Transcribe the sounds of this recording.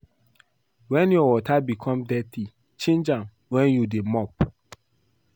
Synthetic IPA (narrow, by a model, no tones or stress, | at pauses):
wɛ̃njɔwɔtʰabikʰɔ̃mdɛtʰi | t͡ʃẽnd͡ʒãn | wɛ̃njudemɔp̚